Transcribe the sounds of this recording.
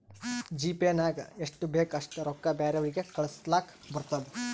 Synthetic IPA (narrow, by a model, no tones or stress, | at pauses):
d͡ʒiːpenaːɡɐ̰eʂʈubeːkɐʂʈuɾɔkːɐbaːɾɐʋɐɭiɡekɐɭɐslaːkbɐɾt̪ɐd̪e